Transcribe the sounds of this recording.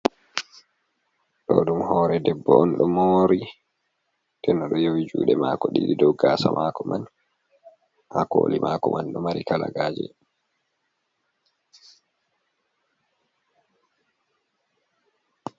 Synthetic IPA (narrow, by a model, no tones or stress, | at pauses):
ɗɔɗumhɔːɾɛdɛbːɔɔnɗɔmoːɾi | tɛnːɔɗɔjowid͡ʒṵːɗɛmakɔɗiɗidɔwɡaːsamaːkɔman | hako̰ːlimʔakɔmanɗɔmaɾikalaɡaːd͡ʒɛ